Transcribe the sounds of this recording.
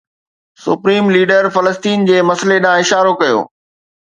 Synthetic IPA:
sʊ̰pɾiːmliːɖəɾfɐləst̪iːnd͡ʑeːmɐsleɗãːɪʃaːɾokɐjo̰ː

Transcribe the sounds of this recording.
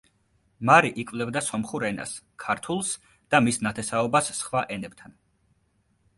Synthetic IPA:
maɾiʔikʼvlɛbd̪asɔmχuɾɛna̰s | kʰaɾt̪ʰulˠs | d̪̥amisnat̪ʰɛsaɔbasːχwaʔɛnɛb̚t̪ʰan

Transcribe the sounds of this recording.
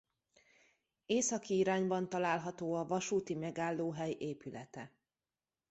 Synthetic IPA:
eːsɒkiiɾaːɲbɒnt̪ɒlaːlɦɒt̪oːɒvɒʃuːt̪imɛɡaːlːoːɦɛjʔeːpylɛt̪ɛ

